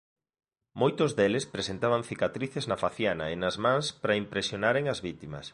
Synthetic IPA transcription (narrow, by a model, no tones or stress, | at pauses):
mojt̪ozðelespɾesent̪aβ̞ɐŋθikat̪ɾiθeznɐfaθjanɐenɐzmãŋspɾɐimpɾesjonaɾeŋɐzβit̪imɐ̰s